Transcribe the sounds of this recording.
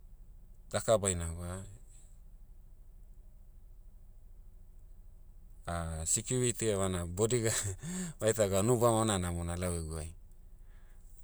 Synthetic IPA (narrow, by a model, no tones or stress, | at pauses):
d̥akabajnaɡoa | asikjuɾitiaβanabodiɡaβajtaɡanubamananamonalaweɡuaj